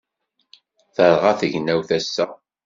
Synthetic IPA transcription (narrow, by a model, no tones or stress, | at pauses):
θəɾˤʁaθəʝnæwθæsːæ